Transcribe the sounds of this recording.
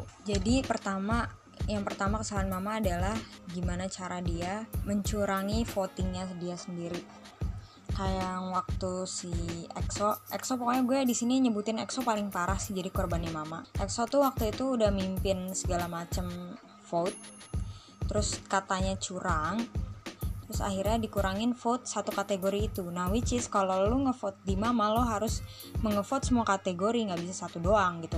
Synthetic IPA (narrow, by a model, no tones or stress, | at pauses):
d͡ʒadipərt̪ama | jaŋpərt̪amakəsalanmamaːdalahɡimanat͡ʃaɾadiaməɲt͡ʃuɾaŋifot̪ɪŋɲasədiasəndiɾi | kajaŋwak̚t̪usiɛksoʔɛksopokajaɡuadisiniɲəbut̪ɪnɛ̰ksopalɪŋpaɾahsɪhd͡ʒadikɔrbanimamaʔɛksot̪uwak̚t̪uit̪uːdahmimpɪnsəɡalamat͡ʃəm | fot̪̚ː | əɾʊskat̪aɲat͡ʃuɾaŋ | t̪ɾʊsa̰hiɾɲadikuɾaŋɪnfot̪̚sat̪ukat̪eɡoɾiːt̪unahwit͡ʃɪskaloluŋəfot̪̚dimamalɔɦaɾʊs | məŋəfɔt̪̚səmuakat̪eɡoɾiŋɡabisasat̪udoaŋɡit̪u